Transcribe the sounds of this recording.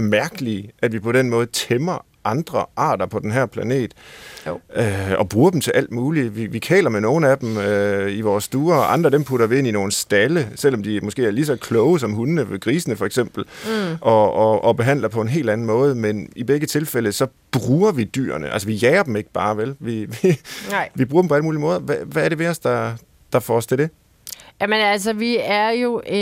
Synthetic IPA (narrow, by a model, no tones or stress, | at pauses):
mæɐɡ̥əliæd̥ʋipʰɒ̽ɾ̥en̰mɔ̽ːð̩ˠt͡sʰemɐ | ʔɑ̈nd̥ʁɐʔɑ̰̈ːd̥ɐpʰɒ̽d̥enɦæɐ̰pʰlæne̝̰ːd̥ | øɒ̽b̥ʁuːɐdem̩t͡sʰe̝lʔæl̰d̥muːliʋiʋikʰɛ̰ːlɐmeno̝ːn̩æd̥møiʋɒːsːd̥uːɐɒʔɑ̈nd̥ʁɐd̥empʰuɾɐʋie̝n̰ino̝ːn̩sd̥æləsel̰ɒ̽md̥imɒ̽sɡ̥e̝̰ːæɐlisɒ̽kʰlɔʊəs̬ɒ̽mɦunənəɡ̥ʁiːsnəfɒeɡ̥sem̰b̥l̩ʔɒ̽ɒɒ̽b̥e̝ɦæn̰lɐpʰɒ̽e̝nɦe̝̰ːld̥æn̩mɔ̽ːð̞ˠmenib̥eɡ̥ət͡sʰe̝lfel̰əsɒ̽b̥ʁuːɐʋid̥y̰ːɐ̰nəʔælsəʋijɛːɐd̥m̩e̝ɡ̥əb̥ɑ̈ːʋelʋiʋi | ʋibʁuːɐ̥mpʰɒ̽æləmuːlimɔ̽ːð̞ˠɐʋæʋæːɐɾe̝ʋe̝ɒ̽sd̥ɑ̈ | d̥ɑ̈fɒɒst͡sʰe̝ld̥e̝ | jæmənæls̬əʋiæɐjo̝